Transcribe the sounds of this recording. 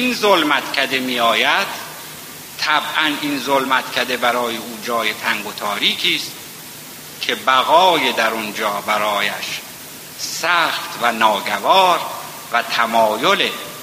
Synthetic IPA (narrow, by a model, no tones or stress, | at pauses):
inzolmæt̪cʰæd̪e̞mijɒːjæd̪̥ | t̪ʰæbʔæninzolmæt̪cʰæd̪e̞bæɾɒːjeuːd͡ʒɒːje̞t̪ʰæŋɡot̪ʰɒːɾiːkʰiːst̪ | kʰe̞bæɣɒːjed̪æɾond͡ʒɒːbæɾɒːjæʃ | sæːxt̪vænɒːɡævɒːɾ | væt̪ʰæmɒːjole